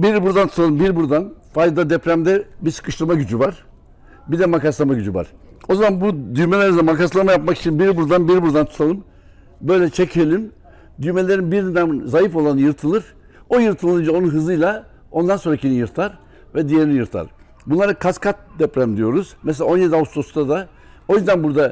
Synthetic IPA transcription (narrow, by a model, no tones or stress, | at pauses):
biɾbuɾd̪ant̪ʰut̪ʰalˠɯmbiɾbuɾd̪anfajd̪ad̪ɛpɾæmd̪ɛbisɯ̥kʰɯʃˠɯɾmaɟyd͡ʒyvaɾ̥ | bid̪ɛmakaslˠamaɟyd͡ʒyva̰ɾ̥ | o̞zamanbud̪yjmelʲeɾiɛmakaslˠamajapmaki̥t͡ʃʰinbiɾbuɾd̪anbiɾbuɾd̪ant̪ʰu̥t̪ʰalˠɯm | bø̞jlʲɛt͡ʃʰecʰelʲim | d̪yjme̞lʲe̞ɾinbiɾind̪ænzajifo̞lˠanɯjɯɾt̪ʰɯlˠɯɾ̥ | o̞jɯɾt̪ʰɯlˠɯnd͡ʒao̞nunɦɯzɯjlˠa | o̞nd̪anso̞nɾacʰinijɯɾt̪ʰaɾ | vɛd̪ije̞ɾinijɯɾt̪ʰa̰ɾ | bunlˠaɾɯkʰaskʰat̪̚d̪ɛpɾæmd̪ijo̞ɾuz̥mɛs̬elʲao̞njed̪iaust̪ʰo̞sd̪ad̪a | o̞jyzd̪ænbuɾd̪a